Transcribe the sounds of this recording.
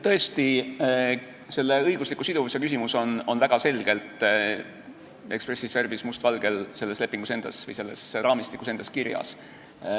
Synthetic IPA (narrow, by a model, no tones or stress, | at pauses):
t̪ɤ̞est̪i | se̞lːe̞ɤjɡ̥uslikːˑusid̪uvusjɑkys̬ʲimuso̞nonvæɡ̥ɑse̞lɡ̥e̞lt̪ˑ | e̞kspre̞sisfe̞rbismust̪vɑlɡ̥e̞lse̞lːesle̞pːˑiŋɡ̥use̞nd̪̥ɑsvɤ̰jse̞lːe̞srɑːmist̪ikːuse̞nd̪ɑskiɾjɑ̰s